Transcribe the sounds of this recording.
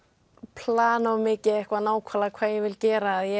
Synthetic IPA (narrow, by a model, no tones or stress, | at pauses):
pʰl̥aːnɔmɪcɪɛhkvaðnaːwkʰvalakʰv̥aːjɛvɪlcɛːɾaðjɛ